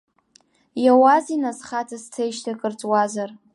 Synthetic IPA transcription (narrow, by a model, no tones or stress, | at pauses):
jawazinasχatʰast͡sʰejʃtʰakʼɨrt͡sʼwazar